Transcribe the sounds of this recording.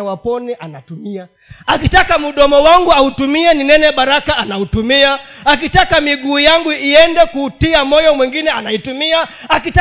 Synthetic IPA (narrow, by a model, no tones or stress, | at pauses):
awapɔnɛʔanatumia | akitakamuɗɔmɔwaŋɡuautumiɛninɛnɛɓaɾakaanautumiaak̬itakamiɡuːjaŋɡuiɛndɛkutiamɔjɔmwiŋɡinɛanaitumiaakita